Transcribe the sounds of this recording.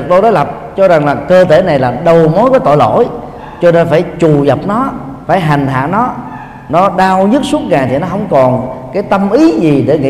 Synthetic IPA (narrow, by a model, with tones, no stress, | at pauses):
k̚ɗo˧ɗo˨˦jlə˨˩p̚t͡ɕɔ˧za˨˩ŋlaː˨˩kəː˧t̪e˧˩na˨˩jlaː˨˩ɗə˨˩wmo˨˦jkɔ˨˦t̪o̰˧˨jlo̰˧˩˨j | t͡ɕɔ˧ne˧nfaː˧˩jt͡ɕu˨˩zə˨˩p̚nɔ˨˦ | faː˧˩jɦa˨˩jŋ̟ɦa̰ː˧˨nɔ˨˦ | nɔ˨˦ɗaː˧wɲɨ˦˥t̚su˦˥ət̚ŋaː˨˩jt̪ʰi˨˩nɔ˨˦ɦə˧wŋ͡mkɔ˨˩nkaː˨˦jt̪ə˧mʔi˨˦zi˨˩ɗe˧˩ŋḭ˧